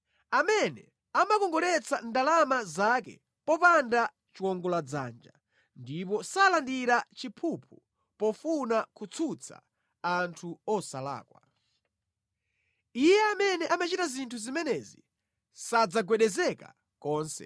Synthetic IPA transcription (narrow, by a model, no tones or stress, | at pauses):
amɛnɛ | amakɔŋɡɔɾɛt͡sandalamazakɛ̰ | pɔpanda | t͡ʃiwɔŋɡɔlad͡za̰ːnd͡ʒa | ndip̬ɔsalandiɾat͡ʃipʰupʰu | pɔfunakut͡sʰut͡sʰa̰ | antʰuɔsala̰ːkwa | ijɛamɛnɛʔamat͡ʃitazintʰuzimɛnɛzi | sad͡zaɡwɛɗɛzɛka | kɔːnsɛ̰